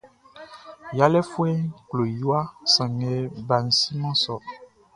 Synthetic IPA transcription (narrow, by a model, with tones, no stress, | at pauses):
ja˦lɛ˦fu˦ɛ˦klo˨ju˦a˦sã˨ŋɛ˨ba˨n̩˨si˦mã˦sɔ˨